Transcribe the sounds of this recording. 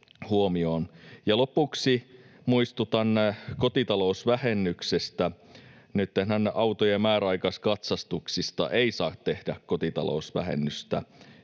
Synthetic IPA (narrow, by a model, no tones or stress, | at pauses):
huomioːnjɑlopuksimuist̪ut̪ɑnːkot̪it̪ɑlousʋæhenːyksest̪æ | nyt̪ːenhænːeʔɑwt̪ojemmæːræɑikɑskɑt̪sɑst̪uksist̪ɑ̰ʔeisɑːtt̪ehdækkot̪it̪ɑ̰lo̰usʋæ̰hḛnːyst̪æ̰